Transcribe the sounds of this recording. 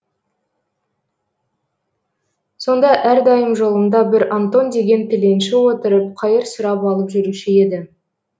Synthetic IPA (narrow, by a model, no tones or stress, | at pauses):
so̞nd̪ɑʔæɾd̪ɑjəmʒo̞lˠəmd̪ɑbɪɾant̪o̞nd̪e̞ɡʲe̞nt̪ʰɪle̞nʃɪwo̞t̪əɾəp̚qʰɑjəɾsʊɾɑpɑlˠəpʒʏɾuʃɪe̞d̪ɪ